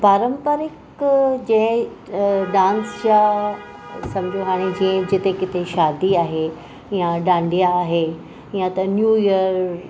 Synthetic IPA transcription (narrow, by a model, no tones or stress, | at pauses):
paːɾəmpaɾɪk | d͡ʑɐ̃ɦ | ɖãːnst͡ɕa | sɐ̃md͡ʑ̪ʱijoɦaːɽ̃ed͡ʑĩə̃d͡ʑɪt̪ekɪt̪eʃaːd̪iaːɦe | jãɖãːɳɖijaːɦe | jãt̪ɐnjuːjəɾ